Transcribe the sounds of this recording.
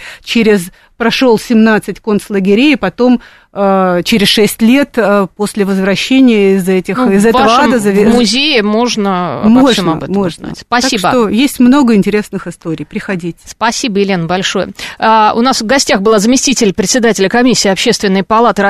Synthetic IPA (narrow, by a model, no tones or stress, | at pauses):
t͡ɕeɾʲɪz | pɾɐʂo̞lˠsʲɪmnat̪sɨtʲko̞nt̪slˠəɡʲɪɾʲejɪpɐt̪o̞m | ət͡ɕeɾʲɪsʂɛsʲtʲlʲe̞t̪əpo̞sʲlʲɪvəzvɾɐɕːenʲɪjəɪzɛtʲɪxɪzɛt̪əvəəad̪əzəvʲɪmʊzʲejɪmo̞ʐnəmo̞ʐmɐ̰bɛmo̞ʐnəa̰tʲspɐsaiʂbət̪ojesʲtʲmno̞ɡəɪnʲtʲɪɾʲe̞snɨxɪst̪o̞ɾʲɪjpɾʲɪxɐdʲitʲspɐsʲibəɪlʲenəbɐlʲʂo̞jə̰ʊ̰nasvɡɐsʲtʲaxbɨlˠazəmʲɪsʲtʲitʲɪlʲpɾʲɪt̪sʲɪd̪atʲɪlʲəkɐmʲisʲːɪːɐpɕe̞st̪vʲɪnːəjpɐlˠat̪ɨɾɐ